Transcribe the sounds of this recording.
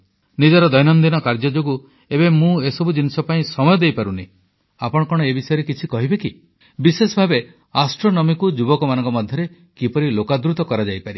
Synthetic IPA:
nid͡ʒɔɾɔd̪ɔjnɔnd̪inɔkaɾd͡ʒɔd͡ʒoɡu | ebemũesɔbud͡ʒinisɔpaĩsɔmɔjɔd̪ejpaɾuni | apɔɽ̃kɔɽ̃ɔebisɔjɔɾekit͡ʃʰikɔɦibeki | bisesɔbʱabe | asʈɾonɔmikud͡ʒubɔkɔmanɔ̃ŋkɔmɔd̪ʱjɔɾe | kipɔɾilokad̪ɾut̪ɔkɔɾad͡ʒajpaɾi

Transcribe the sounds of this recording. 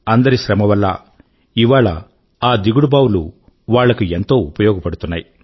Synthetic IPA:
ɐnd̪ɐɾiʃɾɐmɐʋɐlːɐ̰ | iʋaːɭɐ̰ | aːd̪iɡuɽubaːwulṵ | ʋaːɭːɐkuent̪o̞ːupɐjɔːɡɐpɐɽut̪unːaːji

